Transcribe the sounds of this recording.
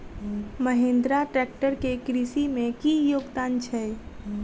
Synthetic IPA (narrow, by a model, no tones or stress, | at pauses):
məɦend̪ɾaʈɾɛk̚ʈəɾkekɾisimẽkijoɡd̪ant͡ʃʰɛ